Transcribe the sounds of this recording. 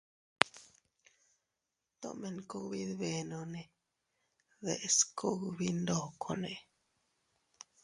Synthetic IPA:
t̪o̰˦˨me˨ŋko˦kbi˦d̪be˧˨no˧ne˨ | ðe˨ʔskʰo˦kbi˦nd̪o˧˨kʰo˨ne˨

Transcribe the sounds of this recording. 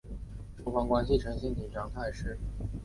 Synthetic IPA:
ʈ͡ʂu˥ŋfɑ˥ŋkwa˥nɕi˨˩ʈ͡ʂʰɤ˧˥ŋɕi˥nt̪ʰi˨˩ŋʈ͡ʂɑ˥˧ŋt̪ʰa˥˧ɪʂɻ̩˥˩

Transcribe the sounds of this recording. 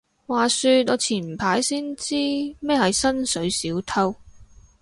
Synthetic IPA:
waː˨˩syː˧t̚ɔː˨˧t͡sʰiː˨˩nm̩˨˩pʰaː˨˥jsiː˥nt͡siː˥mɛː˥hɐ˨jsɐ˥nsɵ˨˧ɥsiː˨˥wt̪ʰɐ˥w

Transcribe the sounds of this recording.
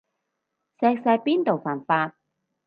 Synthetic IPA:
sɛː˧k̚sɐ˧jpiː˥nt̪o˨wfaː˨˩nfaː˧t̚

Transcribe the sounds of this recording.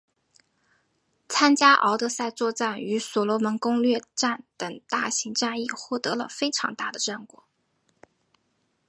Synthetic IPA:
t͡sʰa˥nt͡ɕja˥ʔɑ̰˧˥ʊt̪ɤ˥˧sa˥˧ɪt͡swɔ˥˧t͡sa˥˩ny˧˥sɔ˨˩lwɔ˧˥mə˧˥nkʊ˥ŋlɥɛ˥˧ʈ͡ʂa˥˩nt̪ə˨˩ŋt̪a˥˩ɕi˧˥ŋʈ͡ʂa˥˧ni˥˧xwɔ˥˩t̪ɤ˧˥lə̰˧fe˥ɪʈ͡ʂʰɑ̰˧˥ŋt̪a˥˩d̪ə˩ʈ͡ʂə˥˩nkwɔ̰˨˩˦

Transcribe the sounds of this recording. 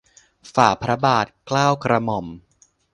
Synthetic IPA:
faː˨˩pʰɾa˦˥baː˨˩t̪̚klaː˥˩wkʰɾa˧mɔ˨˩m

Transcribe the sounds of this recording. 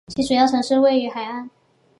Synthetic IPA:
t͡ɕʰi˧˥ʈ͡ʂu˨˩jɑ˥˩ɤ˧˥ŋʂɻ̩˥˧we˥˩ɪy˧˥xa˨˩ɪa˥˩n

